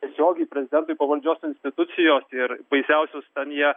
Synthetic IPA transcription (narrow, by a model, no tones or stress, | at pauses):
tʲɛsʲoːɡʲɛɪpʲɾʲɛzʲɪd̪ʲɛnt̪ʊɪpɐʋɐlʲd͡ʒʲoːsɪnʲsʲt̪ʲɪt̪ʊt̪sʲɪjoːsɪɾbɐɪsʲɛʊsʲoːst̪ʲɛnjiɛ